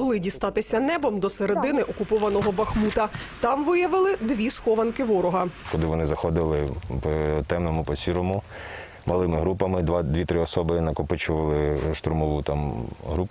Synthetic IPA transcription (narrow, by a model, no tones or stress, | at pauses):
ɦlˠɪdʲist̪ɑt̪ɪsʲɐnɛbɔmd̪ɔseɾed̪ɪnɪʔɔkʊpɔʋɐnɔɦɔbɐxmut̪ɐt̪ɑmʋɪjɐʋɪlˠɪd̪ʋʲisxɔʋɐnkɪʋɔɾɔɦɐkɔlˠɪʋɔnɪzɐxɔd̪ɪlˠɪpɔt̪ɛmnɔmʊpɔsʲiɾɔmʊ | mɐlˠɪmɪɦɾupɐmɪd̪ʋad̪ʲʋʲit̪ɾɪɔsɔbɪnɐkɔpɪt͡ʃɔʋɐlˠɪʃt̪ɾʊmɔʋut̪ɑmɦɾup